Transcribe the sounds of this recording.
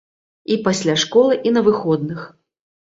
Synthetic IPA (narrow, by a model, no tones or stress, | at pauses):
ipasʲlʲaʂkɔlˠɨʔinɐvɨxɔd̪nɨx